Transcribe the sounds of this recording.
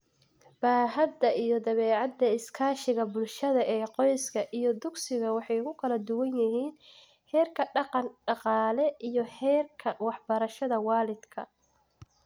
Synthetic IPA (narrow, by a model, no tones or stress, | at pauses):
b̥aːɦɐd̪ɐʔijɞd̪ɐβɛːʕɑd̪ːɐɪskʰaːʃɪɣɐbʊlʃɐðɐʔɛːqɔjskʰɐʔijɞd̪ʊɡsɪɣɐwɑħɑjʊɣʊkʰɐlɐd̪ʊwɐnjɐɦiːn | hɛːrkʰɐɖɑqɑnɖɑqɑːlɛʔijɞhɛːrkʰɐwɑħbɐɾɐʃɐðɐwɑːlɪd̪kʰɐ̰